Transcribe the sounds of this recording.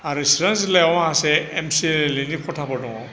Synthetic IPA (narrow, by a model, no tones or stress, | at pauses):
aɾisiɾanzilajawaɦaseːmsilinikʰɔtʰabadɔŋa